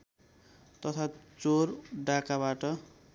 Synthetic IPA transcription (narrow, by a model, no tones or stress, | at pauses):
t̪ʌt̪ʰat͡sorɖakabaʈʌ